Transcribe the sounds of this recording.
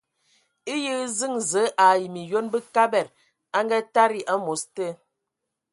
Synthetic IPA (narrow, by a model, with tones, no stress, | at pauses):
i˦jə˦zɨ˦˨ŋzə˨˦ʔa˨ji˨mi˨jo˦nbə˦ka˦bɛ˨ɾ | a˦ŋɡa˦ta˦ɾi˦˨ʔa˦mo˨˦stə˦